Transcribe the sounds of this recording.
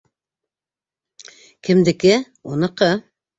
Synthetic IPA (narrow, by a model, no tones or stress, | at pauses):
kʲʰɪmd̪ɪkɪ | onəqə